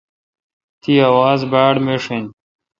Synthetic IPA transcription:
t̪iːawaːzbaːɽmeʂin

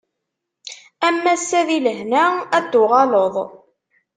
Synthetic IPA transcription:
æmːæsːæðiləhnææd̪ːʊʁɑloðˤ

